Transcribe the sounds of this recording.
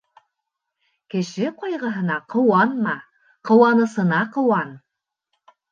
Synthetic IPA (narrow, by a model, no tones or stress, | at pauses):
kɘ̆ʃɘqojʁɤ̆ɦɤ̆nɑqʰɤ̆wɑnmɑ | qɤ̆wɑnɤ̆sɤ̆nɑqɤ̆wɑn